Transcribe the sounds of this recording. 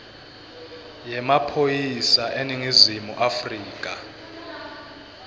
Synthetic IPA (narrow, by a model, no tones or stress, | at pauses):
jɛmapʰojisaʔeniŋizimuʔafriːkʼa